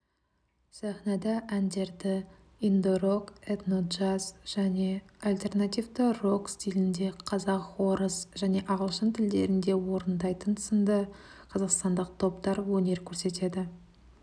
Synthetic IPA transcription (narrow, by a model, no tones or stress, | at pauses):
sæχnɑd̪ɑʔænd̪e̞ɾd̪ɪ | ind̪oɾo̞ket̪not̪ʒasʒ̥æne̞alʲt̪e̞rnat̪ijvd̪əro̞kst̪ijlʲɪnd̪e̞qʰɑzɑqwo̞ɾəsʒæne̞ʔɑʁəlˠʃənt̪ʰɪld̪e̞ɾɪnd̪e̞wo̞ɾənd̪ɑjt̪ənə̥sənd̪əqʰɑzɑqst̪ɑnd̪əq̚t̪ʰo̞pt̪ɑɾwɵne̞ɾkʲʰɵɾse̞t̪e̞d̪ɪ